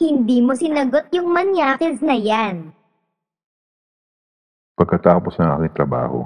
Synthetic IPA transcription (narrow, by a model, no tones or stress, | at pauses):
hɪnd̪iːmosɪnɐɡot̪̚jʊŋmɐnjaːkɛsnɐjan | pɐɡ̚kɐt̪aːposɐŋʔa̰ːkɪŋt̪ɾɐba̰ːho̰